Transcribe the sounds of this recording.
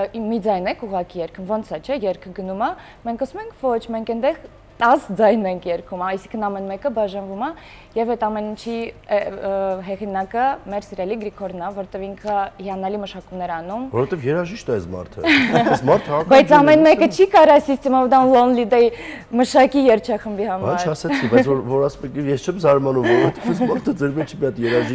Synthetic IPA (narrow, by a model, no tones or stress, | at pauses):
mid͡zɑjnɛkʰuʁɑkijɛɾkʰənvɔnt͡sʰɑt͡ʃʰɛjɛɾkʰəɡənumɑ | mɛŋkʰɑsumɛŋkʰvɔt͡ʃʰmɛŋkɛnd̪ɛʁ | t̪ɑsd͡zɑjnɛŋkʰjɛɾkʰumɑjsiŋkʰənɑmɛnmɛkəbɑʒɑnvumɑ | jɛvɛt̪ɑmɛnint͡ʃʰiɛɦɛʁinɑkəmɛɾsiɾjɑɛliɡɾikʰɔɾnɑvɔɾt̪ɛviŋkʰəhiɑnɛliməʃɑkumnɛɾɑnumvɔɾɔɛt̪ɛvjɛɾɑʒiʃt̪ɛɛsmɑ̰ɾt̪ʰə̰ɛsmɑɾt̪ʰəbɑjt͡sʰɑmɛnmɛkət͡ʃʰikɑɾɑsist͡s̪ʰɛmɔvd̪ɑnlɔnlid̪ɛji | məʃɑkijɛɾt͡ʃʰɑχəmbihɑmbɑnɑɾt͡ʃʰɾɑsɛt͡skʰibɑjt͡sʰvɔɾvɔɾɑsmɛkijɛst͡ʃʰɛmzɑɾmɑnumvɔɾɔvɛt̪ɛvɛsmɑɾt̪ʰəd͡zɛɾmɛt͡ʃʰimjɑt̪jɛɾɑʒi